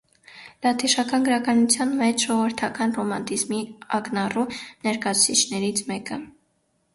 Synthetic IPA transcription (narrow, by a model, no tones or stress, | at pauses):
lɑt̪ʰiʃɑkɑnɡəɾɑkɑnut͡sʰjɑnmɛt͡ʃʰʒɔʁvəɾt̪ʰɑkɑnrɔmɑnt̪izmiɑknɑrunɛɾkɑut͡sʰit͡ʃʰnɛɾit͡sʰmɛkə